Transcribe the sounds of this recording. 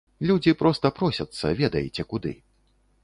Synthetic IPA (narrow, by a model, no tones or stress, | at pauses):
lʲud͡zʲipɾɔst̪ɐpɾɔsʲɐt̪sːɐ̰vʲɛd̪ɐjɛt͡sʲɛkud̪ɨ̰